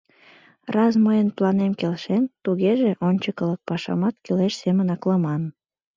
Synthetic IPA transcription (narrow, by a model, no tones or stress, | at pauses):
rɑsməjənplɑnemkelʃent̪uɣeʒeʔonʲt͡ɕəkələk̚pɑʃɑ̰mɑt̪kyleʃsemənɑkləmɑn